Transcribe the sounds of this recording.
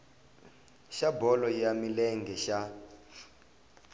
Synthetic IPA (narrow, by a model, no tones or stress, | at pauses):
ʃabɔlɔjamilɛŋɡʱɛʃa